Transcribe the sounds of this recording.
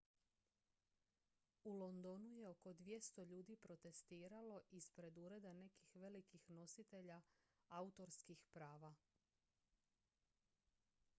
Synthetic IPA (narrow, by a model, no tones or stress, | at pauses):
ulˠo̞nd̪o̞nuje̞o̞ko̞d̪ʋje̞st̪oʎuːd̪ipɾo̞t̪e̞st̪iːɾalo̞ʔispɾe̞d̪uɾe̞d̪ane̞kixʋe̞likixno̞sit̪e̞ʎa | aut̪o̞ɾskixpɾaːʋa